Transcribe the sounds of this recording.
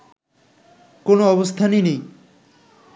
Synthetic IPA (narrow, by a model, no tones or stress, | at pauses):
konoɔβost̪ʰaninej